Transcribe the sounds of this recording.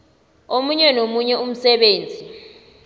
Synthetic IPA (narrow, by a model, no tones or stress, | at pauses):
omuɲɛnomuɲɛum̩sɛɓeːnd͡zʱi